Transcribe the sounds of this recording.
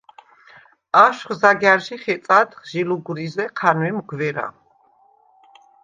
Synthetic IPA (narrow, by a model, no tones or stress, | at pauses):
aʃχzaɡɛaɾʃiχɛt̪sʼat̪χʒiluɡɾizɛqʰanwɛmɡvɛɾa̰